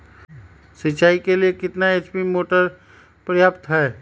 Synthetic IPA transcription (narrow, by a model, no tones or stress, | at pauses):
sɪt͡ʃʰaːikeliekɪt̪naeːt͡ʃpimoːʈəɾ | pɾəjaːpt̪ɦɛː